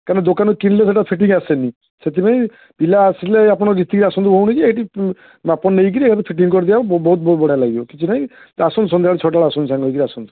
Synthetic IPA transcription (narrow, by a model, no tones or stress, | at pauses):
kaɾned̪okanɔkinles̬eʈapʰiʈiŋasenĩ | set̪ipaj̃ | pilaːsileapɔɽ̃ɔɡit̪ːikiɾiasɔnd̪ubʱowɽ̃it͡ʃʰiejʈi | mapɔnːejk̬iɾiekʰat̪̬ɔpʰiʈiŋkɔɾid̪ibabbɔɦut̪̚bɔut̪̚bɔɽ̤alaɡibɔkit͡ʃʰinaĩ | asɔnd̪sɔnd̪ʱaɭit͡ʃʰɔʈaɭaasɔnd̪sãŋɡɦojkiɾiasɔnd̪u